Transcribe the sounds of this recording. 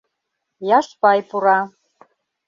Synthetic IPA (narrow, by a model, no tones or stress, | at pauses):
jaʂpajpʰʼuɾa